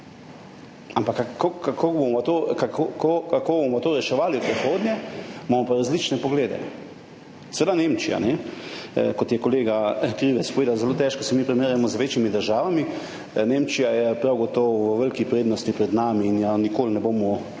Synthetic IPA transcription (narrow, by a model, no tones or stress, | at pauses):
ampakːokakʰoɡboɔt̪okakokokakobomɔt̪oːɾɛʃɛʋaːliupɾixoːd̪njɛmamɔpaɾazlit͡ʃnɛpɔɡleːd̪ɛ̰ | sɛʋed̪anẽmt͡ʃija̰nɛ | kɔt̪jɛkoleːɡakɾiʋɛtspɔʋeːd̪awzɛloːt̪ɛːʃkɔsɛmipɾɛmeɾjamɔzʋeːt͡ʃimid̪əɾʒaːʋami | nemt͡ʃijajɛpɾawɡɔt̪ɔwʋəʋəlkipɾeːd̪nɔst̪ipɾɛd̪naːmiːnjanikoːlnɛboːmɔ